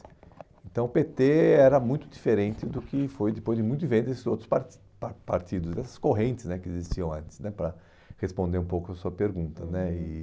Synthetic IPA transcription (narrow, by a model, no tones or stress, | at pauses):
ẽnt̪ɐ̃w̃ʊpet̪eɛɾɐmũj̃t̪ʊd̪ifeɾẽnt̪ɪd̪ʊkɪfojd̪ɪpojzd͡ʒɪmũjt̪ʊd͡ʒivẽnd̪esɪzowt̪ɾʊspaɾ | papaɾt̪id̪ʊzd̪ɛsɐ̥skoɦẽnt̪ɪznɛkɪezist͡ʃiɐ̃w̃ɐ̃nt̪ɪ̥znɛpɾɐ | hespõnd̪eɾũpowkʊɐsuɐpeɾɡũnt̪ɐnɛɪ